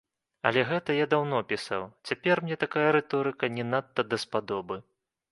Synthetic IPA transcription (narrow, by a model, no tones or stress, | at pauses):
ɐ̰lʲɛɣɛt̪ɐjad̪awnɔpʲisa̰wt͡sʲapʲɛrmnʲɛt̪akajɐɾɛt̪ɔɾɨkɐnʲɛnat̪ːɐd̪ɐspad̪ɔbɨ